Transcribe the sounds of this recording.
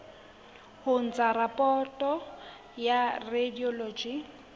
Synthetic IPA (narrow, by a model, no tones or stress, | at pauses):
hʊn̩t͡sʼaɾapʼɔtʼɔ | jarediɔloːd͡ʒi